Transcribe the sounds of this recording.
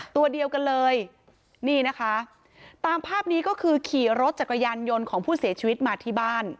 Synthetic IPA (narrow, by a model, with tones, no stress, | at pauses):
t̪u˧ɐdi˧əwka˧nlɤː˧j | niː˥˩na˦˥kʰa˦˥ | t̪aː˧mpʰaː˥˩p̚niː˦˥kɔː˥˩kʰɯː˧kʰiː˨˩ɾo˦˥t̪̚t͡ɕa˨˩ka˧jaː˧njo˧nkʰɔː˩˦ŋpʰuː˥˩si˨˩˦t͡ɕʰiː˧wi˦˥t̪̚maː˧t̪ʰiː˥˩baː˥˩n